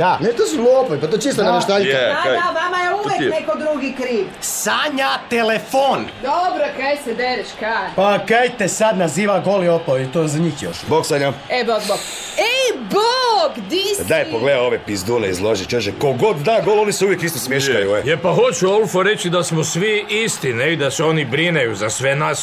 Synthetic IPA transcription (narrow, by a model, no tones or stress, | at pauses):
anet̪osuloopoipat̪ot͡ʃist̪onamaʃt̪aʎjaaʋamajeuʋjeknekod̪ɾuɡikɾiːʋsaɲat̪elefond̪obɾokejsed̪eɾiʃkapaokejt̪esad̪naziːʋaɡoliopoit̪ozaɲixjo̰ʃboɡsaɲaeboboɡ | eboɡd̪isd̪aepoɡled̪aoʋepizd̪uneizlˠoʒit͡ʃoʃekoɡod̪ːaɡolˠoniseuʋjekist̪osmjeʃkajueepaxo̞t͡ʃuolˠfoɾe̞t͡ɕid̪asmosʋiist̪ineid̪aseonibɾinejuzasʋenas